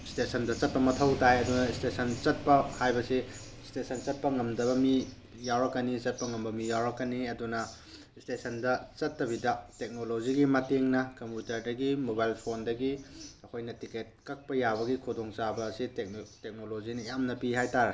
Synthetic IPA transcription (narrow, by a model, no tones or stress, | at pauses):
stesɐndɐt͡ʃɐt̚pɐmɐtʰɐwtajɐdunɐstesʰɐnt͡ʃɐt̚pɐhajbɐsi | stesʰɐnt͡ʃɐt̚pɐŋɐmdɐbɐmi | jawɾɐkːɐnit͡ʃɐt̚pɐŋɐmbɐmijawɾɐkːɐniɐdunɐ | stesʰɐndɐt͡ʃɐtːɐbidɐtek̚noloziɡimɐteŋnɐkɐmpjutɐɾdɐɡimobajlpʰondɐɡiɐkʰojnɐtiket̚kɐk̚pɐjabɐɡikʰudoŋt͡ʃabɐsitek̚tek̚nolozinɐjamnɐpihajtaɾɐ